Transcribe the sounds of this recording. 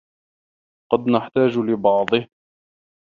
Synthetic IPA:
qɑd̪naħt̪aːd͡ʒlɪbɑʕd̪ˤɨh

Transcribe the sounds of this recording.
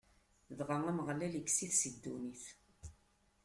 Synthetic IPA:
ðʁaŋæməʁlæləkːsiθsəd̪ːuniθ

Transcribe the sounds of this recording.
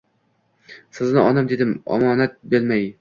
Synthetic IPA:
sɪznɪɒnamd̪e̞d̪ɪmɒ̰mɒːnat̪̚belmaj

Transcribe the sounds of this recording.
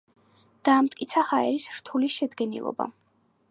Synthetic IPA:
d̪̥aːmt̪ʼkʼit̪sʰahaɛɾisɾ̥t̪ʰuliʃɛd̪ɡɛnḭlˠɔ̰ba̰

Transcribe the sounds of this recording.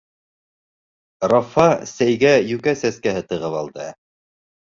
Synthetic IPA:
rɑfɑsæjɡæjʉkæsæskæhɘt̪ɤ̆ʁɤβɑlˠd̪ɤ

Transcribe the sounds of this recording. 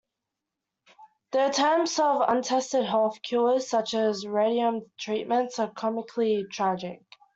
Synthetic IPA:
ðətʰɜːmsəvə̰̃ntʰɛstɪdɦɑlfkʰj̥ɔːz̥sʌt͡ʃəzɹeɪɾiə̃mtʰɹ̥iˑʔmə̃ntsəkʰɒmɪkʰlitʰɹ̥æd͡ʒɪ̰k̚

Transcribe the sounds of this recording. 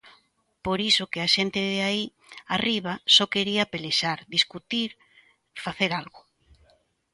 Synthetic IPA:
poɾisʊkɪaʃent̪ɪðeai | ariβ̞asɔkeɾiɐpeleʃaɾd̪iskut̪iɾ | faθeɾalɣʊ

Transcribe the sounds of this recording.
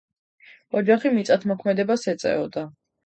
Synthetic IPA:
ɔd͡ʒaχimit̪sʼat̪ʰmɔkʰmɛd̪ɛbasɛt̪sʼɛ̰ɔd̪a

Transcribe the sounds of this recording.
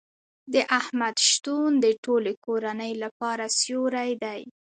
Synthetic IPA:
d̪əʔahmad̪ʃt̪und̪əʈolekoɾanəjlapɑɾasjoɾajd̪aj

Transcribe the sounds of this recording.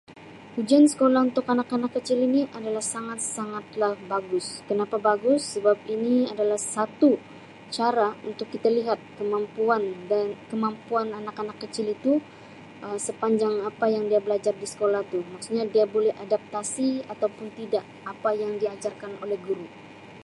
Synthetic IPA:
hud͡ʒiansə̥kolahunt̪ʊkanakanakːət͡ʃɪliniʔadalahsaŋat̪̚saŋat̪̚lahbaɡʊskənapabaɡʊsːəbap̚iniadalahsat̪u | t͡ʃaɾaunt̪ʊkːit̪aliɦat̪̚kəmampuandankəmampuananakanakːət͡ʃɪlit̪u | ʔəsəpaɲd͡ʒaŋapajaŋdiabəlad͡ʒardisə̥kolaht̪umaksuɲadiabolɛhadap̚t̪asiat̪awpʊnt̪idaʔ | apajaŋdiad͡ʒarkanolɛhɡuɾu

